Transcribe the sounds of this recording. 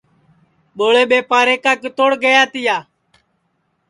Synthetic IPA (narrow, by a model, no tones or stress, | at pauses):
ɓoːɭeːɓeːpaːɾeːkaːkt̪oːɽɡəjaːt̪ɪjaː